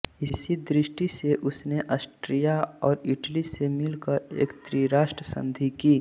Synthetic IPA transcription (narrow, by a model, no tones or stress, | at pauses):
ɪsid̪ɾɪʃʈiseʔʊsneʔəsʈɾijaɔːɾɪʈlisemɪlkəɾḛːkt̪ɾiɾaːʃʈɾəsə̰̃nd̪ʱikiː